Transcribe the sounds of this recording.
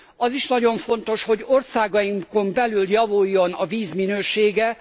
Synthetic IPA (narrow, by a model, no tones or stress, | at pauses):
ɒziʃnɒɟo̞ɱfo̞nt̪o̞ʃho̞ɟo̞rsaːɡɒjiŋko̞mbɛlyljɒvujːo̞nɒviːzminøːʃeːɡɛ